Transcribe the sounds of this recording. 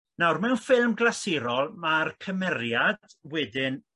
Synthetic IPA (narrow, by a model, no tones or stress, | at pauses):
nawrmɛwnfɪlˠmɡlasɪɾɔlˠmarkʰəmɛɾjad̥wɛdɪn